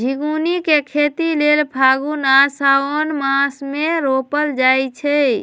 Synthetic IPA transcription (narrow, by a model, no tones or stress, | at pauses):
d͡ʒʱiɡunikekʰet̪ilelpʰaɡunasaonmãsmeɾopəld͡ʒajt͡ʃʰɛ